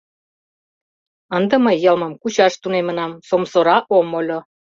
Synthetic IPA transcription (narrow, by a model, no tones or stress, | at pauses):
ə̆nd̪ɤ̆məjːɤlmɤ̆mkut͡ɕɑʃt̪unemə̆nɑmsomsŏɾɑʔomolʲŏ